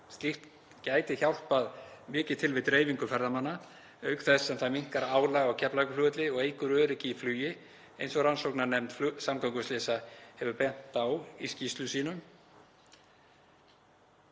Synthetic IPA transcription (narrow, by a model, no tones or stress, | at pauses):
st̪lixt̪ | caːjt̪ɪçawl̥t̪paðmɪːcɪt̪ʰɪlvɪðt̪ɾeːjviŋkʏfɛɾðamanːa | œːɥkθɛsːɛmθaðmiŋ̥kaɾaaːwlaːɣawcʰɛplajkʏflʏːt̪lɪɔɣeːjkʏɾœːɾɪcɪiflyːjɪ | ejnsɔɣransowknanɛmt̪samkʰɔŋkʏslɛːsahɛvʏpɛn̥t̪awiscist̪lʏsiːnʏm